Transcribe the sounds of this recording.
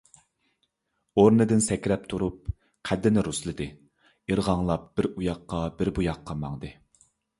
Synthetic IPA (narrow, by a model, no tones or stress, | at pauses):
oɾnɨd̪ɪnsɛkʲɾɛp̚t̪ʰuɾup̚ | qʰæd̪ːɪnɪɾuslˠɨd̪ɨ | iɾʁɑŋlˠɑp̚b̥ɪɾujɑqːɑbɪɾbujɑqʰːɑmɑŋd̪ɨ